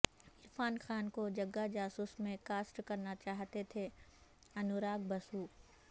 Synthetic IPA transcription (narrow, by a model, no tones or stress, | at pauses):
ɪɾfaːnxaːnkod͡ʒɐɡːad͡ʒaːsuːsmẽkaːsʈkɐɾnat͡ʃaːɦt̪et̪ʰe | ɐnʊɾaːɡ̚bɐsuː